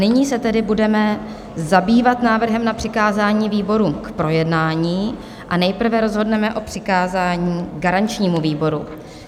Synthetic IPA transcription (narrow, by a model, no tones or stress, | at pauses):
nɪɲiːsɛt̪ɛdɪbudɛmɛ | zabiːvat̪naːvr̩ɦɛmnapr̝̥ɪkaːzaːɲiːviːbo̞ɾuːmkpɾo̞jɛdnaːɲiː | ʔanɛjpr̩vɛɾo̞zɦo̞dnɛmɛʔo̞pr̝̥ɪkaːzaːɲiːɡaɾant͡ʃɲiːmuviːbo̞ɾṵ